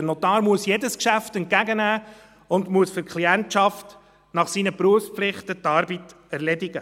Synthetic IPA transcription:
ənɔtɑːɾmuəsjedəskʃæftɛnt̚kæɡənæː | ʊndmuəsfʏɾkχliæntʃɑft | nɑχsinəpɾuəfspflɪχtətɑːɾbit | æɾlɛdɪɡə

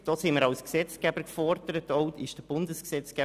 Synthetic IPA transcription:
d̥ɔːsɪməɾɑwsksɛt͡skæbəɾkfɔrd̥əɾətɔwtɪʃd̥əb̥ʊndəsksɛt͡skæ

